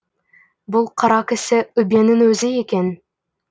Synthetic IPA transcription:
bʊlˠqʰɑɾɑkʲɪ̆sɪɵbenɪŋɵzɪekʲen

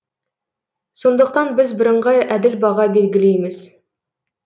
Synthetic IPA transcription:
so̞nd̪əq̚t̪ɑnbɪzbɪɾəɴʁɑjæd̪ɪlbɑʁɑbe̞lɡʲɪlejmɪz̥

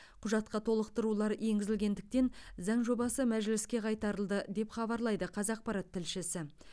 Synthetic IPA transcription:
qʰʊʒɑt̪̚qɑt̪ʰo̞lˠəqt̪əɾulˠɑɾje̞ŋɡʲɪzɪlɡʲe̞nd̪ɪk̚t̪e̞nzɑɴʒo̞bɑsəmæʒɪlɪskʲe̞qʰɑjt̪ɑɾəlˠd̪əd̪e̞pχɑbɑɾlˠɑjd̪əqʰɑzɑq̚pɑɾɑt̪ʰːɪlʃɪsɪ

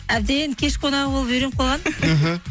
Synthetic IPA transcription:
æb̚d̪enkʲʰeʃkʰonɑʁəbolˠpbeɾemqʰolˠʁɑn̩ɦ̩

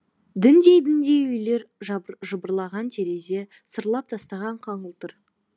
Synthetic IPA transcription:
d̪ɪnd̪e̞jd̪ɪnd̪e̞jʏjle̞ɾʒʒəbəɾlˠɑʁɑnt̪ʰe̞ɾe̞ze̞ | səɾlˠɑp̚t̪ʰɑst̪ɑʁɑɴqʰɑɴəlˠt̪əɾ

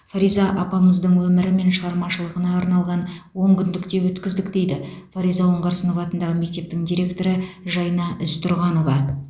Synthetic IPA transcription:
faɾijzɑʔɑpɑməzd̪əɴwɵmɪɾɪme̞nʃəʁɑɾmɑʃəlˠəʁənɑːɾnɑlˠʁɑnwo̞ŋkʲʰʏnd̪ɪkt̪e̞wɵt̪kʲɪzd̪ɪkd̪e̞jd̪ɪfaɾijzɑwoɴʁɑɾsənəvɑt̪ənd̪ɑʁəme̞k̚t̪e̞p̚t̪ɪŋd̪ijɾʲe̞kt̪o̞ɾəʒɑjnɑʔʏst̪ʰʊɾʁɑno̞vɑ

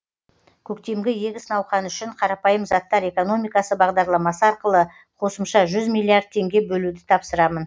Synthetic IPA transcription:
kʲʰɵk̚t̪e̞mɡʲɪje̞ɡʲɪsənɑwχɑnʏʃɪɴqʰɑɾɑpɑjəmzɑt̪ːɑɾe̞ko̞no̞mijkɑsəbɑʁd̪ɑɾlˠɑmɑsəɑɾqəlˠə | qʰo̞səmʃɑʒʏzmʲijlʲˠːiaɾd̪̚t̪ʰe̞ŋɡʲe̞bɵlud̪ɪt̪ʰɑpsəɾɑmən

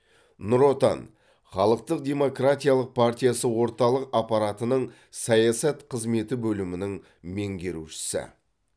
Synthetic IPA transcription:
nʊɾo̞t̪ɑ̰n | χɑlˠəq̚t̪əq̚d̪ʲe̞mo̞krat̪ʲijalˠəq̚pʰart̪ʲijasəwo̞ɾt̪ɑlˠəqɑpɑɾat̪ənəɴ | sɑjasɑt̪qʰəzme̞t̪ɪbɵlɪmɪnɪŋ | me̞ŋɡʲe̞ɾuʃɪ̥sɪ̰

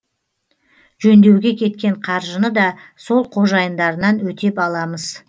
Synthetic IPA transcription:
ʒɵnd̪e̞wɡʲe̞kʲʰe̞t̪̚kʲe̞ɴqʰɑɾʒənəd̪ɑso̞lˠqʰo̞ʒɑjənd̪ɑɾənɑnwɵt̪e̞pɑlˠɑməz̥

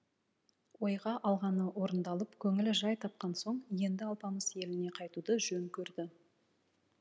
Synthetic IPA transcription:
wo̞jʁɑʔɑlˠʁɑnəwo̞ɾənd̪ɑlˠəpkʲʰɵŋɪlɪʒɑjt̪ʰɑp̚qɑnso̞ɴje̞nd̪ɪɑlˠpɑməzje̞lɪne̞qʰɑjt̪ud̪əʒɵŋkʲʰɵɾd̪ɪ

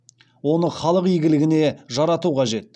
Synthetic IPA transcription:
wo̞nəχɑlˠəqijɡʲɪlɪɡʲɪne̞ʒɑɾɑt̪uqʰɑʒe̞t̪̚

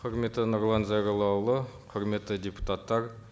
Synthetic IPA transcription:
qʰʊɾme̞t̪ːɪnoɾlˠɑnzɑjɾɑlˠɑwlˠəqʰəɾme̞t̪ːɪd̪ʲepu̥t̪at̪ːɑɾ

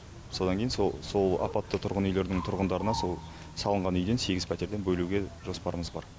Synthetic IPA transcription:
so̞d̪ɑŋkʲe̞jɪnsoso̞lˠɑ̰pɑt̪ːət̪ʰʊɾʁənʏjle̞ɾd̪ɪŋt̪ʰʊɾʁənd̪ɑɾənɑso̞lˠ | sɑlˠəɴʁɑnʏjd̪e̞nse̞ɡʲɪzpʰæt̪e̞ɾd̪e̞nbɵluɡʲe̞ʒo̞spɑɾəməzbɑ̰ɾ

